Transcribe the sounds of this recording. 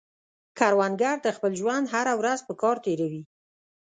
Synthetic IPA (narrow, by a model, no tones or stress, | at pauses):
kaɾwanɡaɾd̪əxpəlʒwand̪ɦaɾawɾazpəkɑɾt̪eɾawi